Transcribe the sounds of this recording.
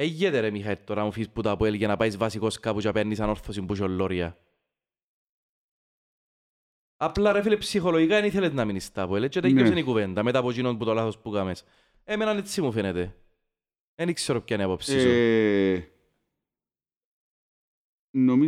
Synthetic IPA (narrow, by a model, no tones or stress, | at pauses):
eʝːet̪eɾemixɐet̪ːoɾɐmufisput̪apuelʝɐnɐpaizvɐsiko̞skaput͡ʃapenːisɐnoɾθosimbuʃ̬olːoɾiɐ̰ | ɐplaɾefilepsixoloʝikaeniθelet̪nɐminist̪ɐpuelet͡ʃːet̪ejossenikuvend̪ɐmeapot͡ʃinonput̪olaθospukames | emenɐnet͡sːimufenet̪e | enikseɾop̚cɐniɐpopsiso | nomi